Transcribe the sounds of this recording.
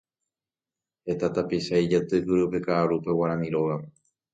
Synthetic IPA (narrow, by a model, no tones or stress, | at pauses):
het̪at̪apiʃajd͡ʒat̪ɨhɨɾɨpekaʔːɾupe̞waɾãmĩɾoɣam